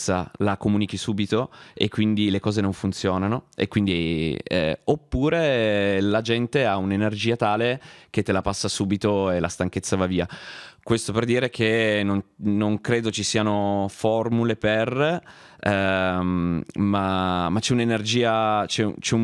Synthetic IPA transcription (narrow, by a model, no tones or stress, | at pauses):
salakomuːnikisuːbit̪oḛkːwind̪ilekɔːzenoɱfunt̪sjɔːnanoḛkːwind̪iɛ̰opːuːɾelad͡ʒɛnt̪eaunenerd͡ʒiːat̪aːlek̟et̪ːelapasːasuːbit̪oela̰st̪aŋk̟et̪sːavaviːakwest̪operd̪iːɾekʰenonnoŋkɾeːd̪ot͡ʃisiːanofɔrmuleper | mamat͡ʃːɛunenerd͡ʒiːat͡ʃɛ̰t͡ʃɛu